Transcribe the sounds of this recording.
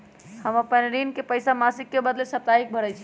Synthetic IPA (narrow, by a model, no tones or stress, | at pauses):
həməpənɾinkepəjsamasikːebəd̪lesəp̚t̪aik̚bʱəɾɛt͡ʃʰi̥